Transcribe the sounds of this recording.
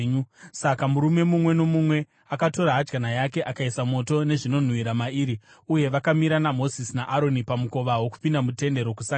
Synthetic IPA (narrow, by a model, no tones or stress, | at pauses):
usakamuɾume̞mumwe̞no̞mumwe̞ | akato̞ɾaɦad͡ʒɡanajake̞ʔakaisamo̞to̞ne̞ʐino̞n̤uwiɾamaiːɾi | uje̞ʋakamiɾanamo̞zisnaʔaɾo̞nipamuko̞ʋawo̞ku̥pindamute̞nde̞ɾo̞kusa